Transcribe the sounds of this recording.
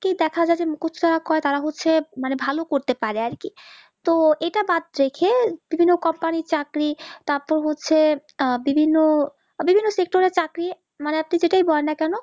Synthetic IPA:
ked̪ɛkʰad͡ʑaed͡ʑemukutːt͡ʃʰut̪aɾakɔet̪aɾaɦotːɕʰemanebʱalokoɾt̪epaɾeaɾki | t̪oeʈabad̪̚ɾekʰeb̥ibʱinːokɔmpaniɾt͡ɕakɾit̪aɾpɔɾɦotːɕʰe | bibʱinːo | bibʱinːosek̚ʈoɾeɾt͡ɕakɾi | maneapnid͡ʑeʈajbɔlenːakɛno

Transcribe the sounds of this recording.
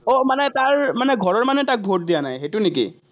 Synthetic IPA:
omanɛtaɹmanɛɡʱɔɹɔɹmanɛtak̚bʱot̚d̪ijanajxetunikḭ

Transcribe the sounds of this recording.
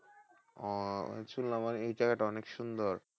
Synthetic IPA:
ɔt͡ɕʰullamaɾejʈakaʈɔnekʃund̪oɾ

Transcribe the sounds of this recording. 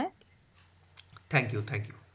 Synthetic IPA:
t̪ʰæ̃ŋkjut̪ʰɛ̃ŋkju

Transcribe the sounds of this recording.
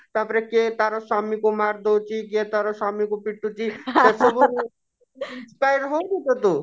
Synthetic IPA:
t̪apɾeket̪aɾɔsamikumaɾd̪owt͡ʃʰiket̪aɾosamikupiʈːut͡ʃʰit̪esobu | inspajɾɦod̪et̪ɔt̪u

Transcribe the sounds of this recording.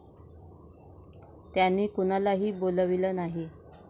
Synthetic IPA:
t̪janːiːkuñalaɦiːboləʋiləːnaɦi

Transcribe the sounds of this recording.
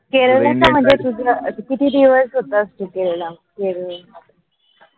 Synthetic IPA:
keɭəʋlakam̤ə̃ɳd͡zet̪ud͡zʱakit̪iːd̪iʋəsɦot̪ast̪ukeɭla | keɭɭa

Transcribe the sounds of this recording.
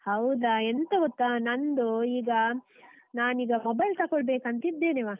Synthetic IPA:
hɐwd̪ɐent̪ɐot̪ːanɐnd̪uiːɡɐ | naːniːɡɐmɔbɐjlt̪ɐkɔɭbeːkɐnt̪id̪ːeːneːʋɐ

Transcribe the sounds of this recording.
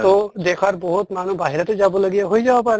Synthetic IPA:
t̪od̪ekʰaɾbɔɦut̪manubaɦiɾat̪ezabolaɡijaɦojd͡ʒabapaɾe

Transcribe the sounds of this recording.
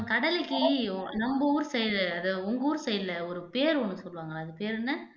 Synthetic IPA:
kɐɽɐlɪkːɯnɐmbɐuːɾɯsɛjlɐɐðɐʊŋɡɐuːɾsɛjlɐɔɾɯpeːɾonːɯsɔlːʋaːŋɡɐɐðɯpeːɾnːɐ

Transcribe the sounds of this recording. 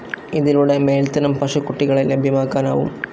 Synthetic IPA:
iðiluːɽemeːlt̪ɐnɐmpɐʂɐkːuʈːiɣɐɭelebʱjɐmaːkːaːna̰ːʋṵm

